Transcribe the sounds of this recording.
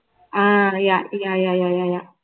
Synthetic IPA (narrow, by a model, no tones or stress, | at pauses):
ajajajajajaja